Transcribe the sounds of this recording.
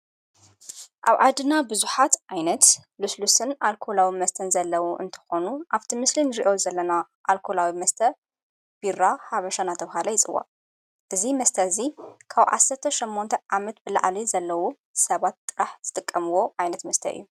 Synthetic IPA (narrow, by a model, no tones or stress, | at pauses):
ʔaβʕad̪ɨnabɨzuħat̪ʔajnɐt̪luslusɨnʔalkʰolawimɐst̪ʰɐnzɐlːɐwuʔɨ̰nt̪ʰɨ̥xo̞nuʔaβt̪ʰimɨslinɨɾiʔo̞zɐlːɐna | ʔalkʰolawimɐst̪ʰɐ | b̥iɾahaβɐʃanat̪ʰɐβɦalɐjɪt͡sʼɨ̰wːa̰ | ʔɨzimɐst̪ʰɐzikʰaβʕa̰sɐɾt̪ʰɐʃimːont̪ʰɐʕamɐt̪̚bɨla̰ʕlizɐlːɐwu | sɐβat̪ːʼɨɾaħz̥ɨt̪ʼɨkʼːɐmɨwo̞ʔajnɐt̪mɐst̪ʰɐ̰ʔɨ̰jːu